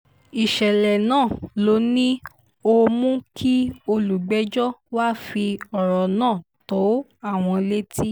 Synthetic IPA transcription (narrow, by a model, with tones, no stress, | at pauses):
i˨ʃɛ˨lɛ˨nãː˦˨lo˨˦nĩ˦ | o˧mũ˦kʰi˦o˧lu˨ɡ͡bɛ˨˦d͡ʒɔ˦waː˦˨fi˧ɔ˨ɾɔ˨nãː˦˨ | to˨˦a˦˨w̃ɔ̃˧le˦ti˦